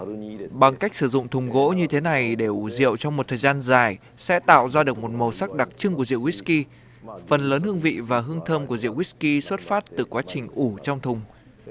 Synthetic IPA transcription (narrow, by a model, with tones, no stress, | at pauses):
ɓa˨˧˩ŋka˦˥k̟̚sɨ˧˩zʊ̰˧˨ŋ͡mt̪ʰʊ˨˩ŋ͡mɣo̰˧˥ɲɨ˧t̪ʰe˨˦na˨˩jɗe˧˩ʔzḭ˧˨əwt͡ɕɔ˧wŋ͡mmo˨˩t̚t̪ʰəː˨˩jzaː˧nzaː˧˩j | sɛ̰˧˥t̪a̰ː˧˨wzaː˧ɗɨ˨˩ək̚mo˨˩t̚mo˨˩sa˦˥k̚ɗa˨˩k̚t͡ɕɨ˧ŋku˧˩əzḭ˧˨əwi˦˥ki˧ | fə˨˩nləː˨˦nhɨ˧əŋvḭ˧˨vaː˨˩ɦɨ˧əŋt̪ʰəː˧mku˧˩əzḭ˧˨əwi˦˥ki˧swə˦˥t̚faː˦˥t̚t̪ɨ˨˩kwaː˨˦t͡ɕï˨˩ŋ̟ʔu˧˩t͡ɕɔ˧wŋ͡mt̪ʰʊ˨˩ŋ͡m